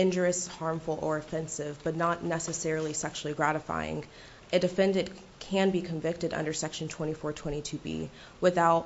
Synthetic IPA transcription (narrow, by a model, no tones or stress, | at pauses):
ɪ̃nd͡ʒə˞ɨshɑɹɱfl̩ˠə˞ɨfɛ̃nsɪvb̥ʌtⁿnətⁿnɛsɨsɛɹl̩ˠisɛkʃl̩ˠiɡɹæɾɨfa̰ɪɪ̰̃ŋ | ʔɨdɨfɛ̃ndɨd̚ | kʰɨ̃nbikʰɨ̃ɱvɪk̚tɨɾʌ̰̃ndə˞sɛkʃn̩tʰw̥ɛ̃ɾ̃ifɔɹtʰw̥ɛ̃ɾ̃itʰʉbḭ | wɨθaʊt̚